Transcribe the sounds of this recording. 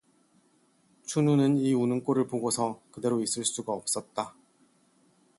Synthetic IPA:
t͡ɕʰununɯniunɯŋk͈oɾɯɭpoɡosʰʌkɯde̞ɾois͈ɯɭs͈uɡaʌp̚s͈ʌt̚t͈a

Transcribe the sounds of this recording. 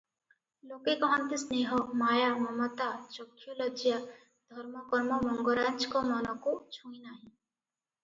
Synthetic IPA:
loːkekɔɦɔnt̪isneːɦɔmaːjamɔmɔt̪ad͡ʒɔkʰːjuləd͡ʒja | d̪ʱɔɾmɔkɔɾmɔmɔŋɡɔɾaːnd͡ʒkɔmɐnɔkot͡ʃʰũːĩnaːɦĩ

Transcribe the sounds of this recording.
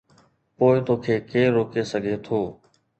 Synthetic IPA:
poːɪt̪oːkʰeːkeːɾoːkeːsəɡʱeːt̪ʰoː

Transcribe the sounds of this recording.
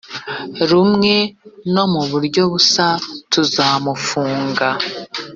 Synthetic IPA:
ɾumŋe̞no̞muβuɾɟo̞βusatuzaːmufuːŋɡa

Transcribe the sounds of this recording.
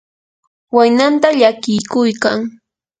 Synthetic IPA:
wajnant̪aʎakɪjkʊjkaŋ

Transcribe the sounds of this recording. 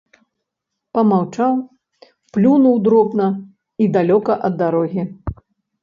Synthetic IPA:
pɐmawt͡ʂaw | plʲunuwd̪ɾɔbnɐ | id̪alʲɔkɐʔɐd̪ːaɾɔɣʲi

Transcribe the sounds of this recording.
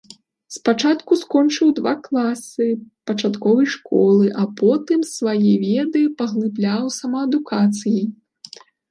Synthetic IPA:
spat͡ʂat̪kuskɔnt͡ʂɨwd̪vaklˠasɨpɐt͡ʂat̪kɔvɐjʂkɔlˠɨʔɐpɔt̪ɨmsvajivʲɛd̪ɨpɐɣlˠɨblʲawsɐmɐɐd̪ukat̪sɨji

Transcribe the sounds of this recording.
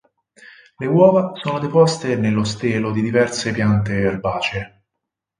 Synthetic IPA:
lewɔːvasoːnod̪epɔst̪enelːost̪eːlod̪id̪ivɛrsepjant̪ealbaːt͡ʃe

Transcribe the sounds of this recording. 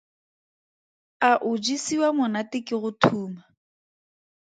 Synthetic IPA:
aʔʊd͡ʒisiwamʊnatɪkɪɣʊtʰuːma

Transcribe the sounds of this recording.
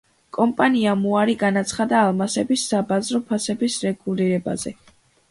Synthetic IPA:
kʼɔmpʼaniamuaɾiɡanat̪sʰχad̪aːlˠmasɛbisːabazɾɔpʰasɛbisɾɛɡ̥uliɾɛba̰zɛ̰

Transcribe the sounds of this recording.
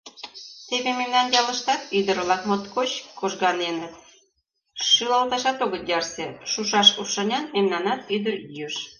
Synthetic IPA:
t̪eβememnɑnjɑlə̆ʃt̪ɑt̪yd̪əɾlɑkmot̪kot͡ɕkoʒɣɑnenət̪̚ | ʃylɑlt̪ɑʃɑt̪oɣət̪jɑrseʃuʃɑʃuʃɑnʲɑnmemnɑnɑt̪yd̪əɾjyəʃ

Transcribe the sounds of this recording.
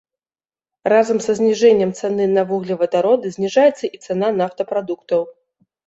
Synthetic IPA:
razɐmzɐzʲnʲiʐɛnʲːɐmt̪sɛnɨnɐvuɣlʲivɐd̪aɾɔd̪ɨzʲnʲiʐajɛt̪sːɐʔit̪sɛn̪anaft̪ɐpɾad̪ukt̪ɐw

